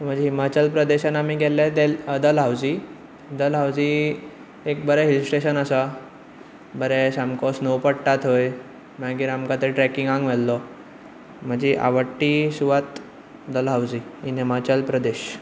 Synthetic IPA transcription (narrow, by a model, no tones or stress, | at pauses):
t̪m̤ə̃ɳd͡ʑeɦimat͡ɕəlpɾəd̪eɕanamiɡʱɛlːɛt̪eləd̪əlɦawd͡ʑi | d̪əlɦawd͡zi | ek̚bəɾɛɦilsʈeɕənəsa | bəɾɛsamkɔsnowpəɽʈat̪ɦoj | maɡiːɾamkat̪eɾʈɾɛkiŋɡãŋɡʋɛlːɔ | m̤əd͡ʑiʔa̰ʋəʈːisuʋat̪ | d̪əlɦawd͡ʑiinɦimat͡ɕəlpɾəd̪eɕ